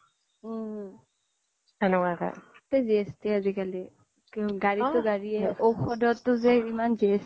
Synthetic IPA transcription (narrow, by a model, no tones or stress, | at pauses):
anɔkaka̰tɛziestiazikali | ɡaɹitʊɡaɹiɛʔoxɔdɔtːʊzɛimanzies